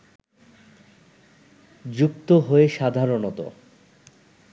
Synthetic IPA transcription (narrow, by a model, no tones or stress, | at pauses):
d͡ʑukt̪oɦoeʃad̪ʱaɾonot̪o̰